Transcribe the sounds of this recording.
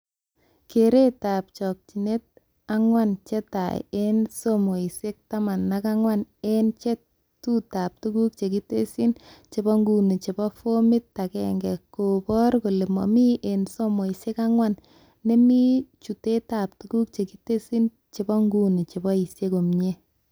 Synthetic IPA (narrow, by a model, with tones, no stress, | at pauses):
ke˨ɾe˦ta˨p̚t͡ʃɔ˨k̚t͡ʃi˨ne˦t̚ | a˦ŋwant͡ʃe˦ta̰˨je˦nsomo˨i˨se˦k̚ta˦ma˨nːa˦ka˦ŋwa˦ne˦nt͡ʃe˦ | tu˦ta˨p̚tu˦ku˦k̚t͡ʃe˨ki˦te˦si˦nt͡ʃe˨bɔ˦ŋɡu˦ni˨t͡ʃe˨bɔ˦fo˦mi˦tːa˨kɛ̰ŋɡɛ˨ko˨pɔ˦ɾko˨le˨mɔ̰˨mi˦ʔenso˦mo˨i˨se˦ka˦ŋwa˦nː | e˦mi˦t͡ʃu˨te˦ta˨p̚tu˦ku˦k̚t͡ʃe˨ki˦te˦si˦n | t͡ʃe˨bɔ˦ŋɡu˦ni˨t͡ʃe˨bɔ˦i˨sje˦ko˨mɲe˦